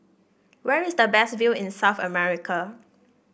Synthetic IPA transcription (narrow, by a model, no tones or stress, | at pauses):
wɛɹɪsdəbɛsvilɪ̃nsaʊθə̰mɛɹikʰə